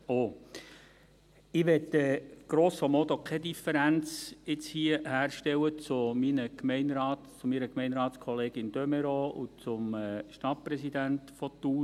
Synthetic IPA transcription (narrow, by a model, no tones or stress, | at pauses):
oː | ɪʋɛtɛɡ̥ɾoːsɔmɔt̪okʰɛdifəɾænt͡sɪt͡shiəhæːɾʃtɛwət͡sʊminəkmɛɪnɾɑːt̪t͡sʊmiːɾəkmɛɪnɾɑːtskʰɔleːɡɪnd̥̪œmɛɾout͡sʊmɛʃtɑt̚pɾɛsid̪ænt̪fɔtːuː